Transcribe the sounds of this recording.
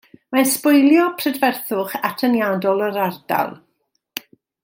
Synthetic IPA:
maspʊjlˠjɔpʰrədvɛrθʊχatʰənjaːdɔlˠəɾarda̰lˠ

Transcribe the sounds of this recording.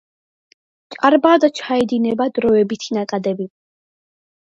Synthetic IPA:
t͡ʃʼaɾbad̪at͡ʃʰaɛd̪inɛbad̪ɾɔɛbit̪ʰinakʼad̪ɛbi

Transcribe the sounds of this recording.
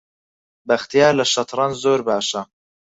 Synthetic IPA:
bɐxt̪ijaːɾlɐʃɐt̪ʰɾɑnzoːɾbaːʃɐ

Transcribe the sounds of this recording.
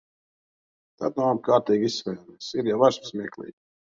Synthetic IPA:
t̪a̰t̪naab̚kaːɾt̪iːɡissvɛjamisiɾjavaɾsmsmiɛklˠḭːɡ

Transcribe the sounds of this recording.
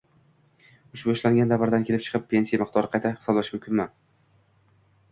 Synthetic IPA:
ʊʃbʊʊʃlaŋɡʲand̪avaɾd̪ankʲʰe̞lɪp̚t͡ʃʰɨ̥qɨpʲʰːe̞nsijamɨq̚t̪ɒɾɪqʰɑjt̪ʰahɪ̥sɒblaʃkʲmʊmkʰʲɪnmman

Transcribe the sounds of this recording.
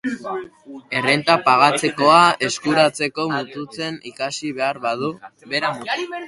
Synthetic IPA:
e̞re̞nt̪apaɣ̞at͡se̞ko̞ae̞skuɾat͡se̞ko̞mut̪ut͡se̞nikasiβe̞aɾβað̞uβe̞ɾamut̪u

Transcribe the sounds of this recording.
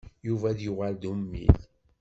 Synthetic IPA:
juvæðjʊʁæld̪umːḭθ

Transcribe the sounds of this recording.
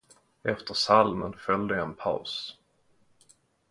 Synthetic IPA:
ɛft̪əʂalmənfœld̪əjaɛnpʰa̰ʊs

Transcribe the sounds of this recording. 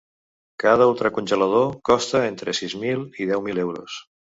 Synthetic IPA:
kað̞əulˠt̪ɾəkunʲʒələð̞okɔst̪əent̪ɾəsizmilˠiðɛwmilewɾo̰s

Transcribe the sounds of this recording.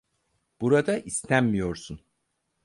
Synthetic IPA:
b̥uɾad̪aʔist̪ʰænmijo̞ɾsun

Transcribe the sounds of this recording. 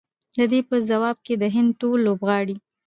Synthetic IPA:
d̪əd̪epəzawɑb̚ked̪əɦɪnd̪̚ʈolːobɣɑɽi

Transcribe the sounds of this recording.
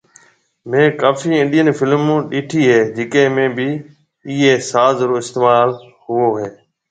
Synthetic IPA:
mẽːkaːfiːɪ̃nɗijənfɪlmũːɗiːʈʰiːɦeːd͡ʑɪkẽːmẽːbɪ | iːɦeːsaːzɾoːɪst̪eːmaːl | hʊoːɦeː

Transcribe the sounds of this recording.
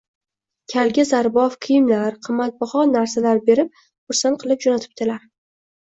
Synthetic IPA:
kʲʰalɡʲazaɾbɒfqʰɨjɪmlaɾqʰɨmːat̪̚bɒχɒnːaɾsalaɾbe̞ɾɪp̚ | χʊɾsanqʰɨlˠɪp̚d͡ʒonat̪ʰɪ̥p̚t̪ʰɪlaɾ

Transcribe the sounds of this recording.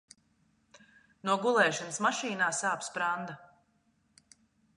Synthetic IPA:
nuɔɡulˠɛːʃanəsmaʃiːnaːsaːpspɾand̪a

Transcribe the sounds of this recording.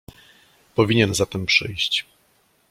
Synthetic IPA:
pɔvʲiɲɛnzat̪ɛmpʂɘ̰jɕt͡ɕ

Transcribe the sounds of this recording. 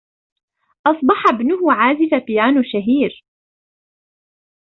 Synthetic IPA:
ʔɑsˤbɑħɑbnʊhʊʕaːzɪfapɪjaːnʊʃaɦiːɾ

